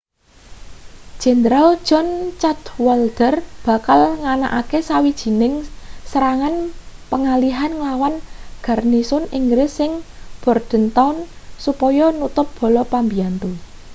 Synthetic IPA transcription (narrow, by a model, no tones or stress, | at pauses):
d̥ʒ̥ɛ̤nd̪ɾal̥ʒ̥ɔnt͡ʃat̪wɔld̪̥ərb̥a̤kalŋana̰ʔakesawid̥ʒ̥i̤nɪŋsɾaŋanpəŋaliɦanŋəlawanɡ̥a̤rnisʊniŋɡɾɪsːɪŋb̥ɔrd̪̥ə̤nt̪awnsupɔjɔnut̪ʊp̚b̥ɔ̤lɔpambiant̪u